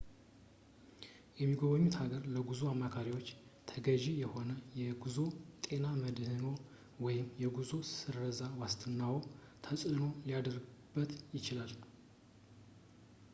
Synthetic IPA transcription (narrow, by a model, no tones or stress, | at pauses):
jɛmːiɡoβəɲːut̪haɡəɾləɡuzuamːakʰaɾiwo̞t͡ʃːt̪ʰəɡəʒijɛho̞nəjɛɡuzo̞t̪ʼe̞naməd̪hɨno̞ | wɔjɪmjɛɡuzo̞ssɨɾːəzawast̪ʰɨnːawo | t̪ʰəsʼɨno̞lijad̪əɾɡɨbːət̪jɪt͡ʃɪlal